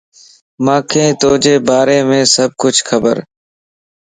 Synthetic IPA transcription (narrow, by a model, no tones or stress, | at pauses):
mãːkʰẽːt̪oːd͡ʒeːbaːɾeːmẽːsəb̚kʊt͡ʃʰxʰəbəɾ